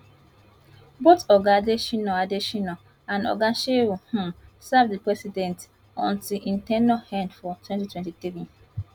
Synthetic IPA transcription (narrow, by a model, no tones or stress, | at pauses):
botɔɡadeʃinɔadeʃinɔ | ãnɔ̰ɡãnʃewuhũsavdipɹɛsidɛ̃nt | ɔ̰̃ntiʔĩntɛnahɛ̃ndfɔtʰwɛ̃ntitwɛ̃ntitɹĩ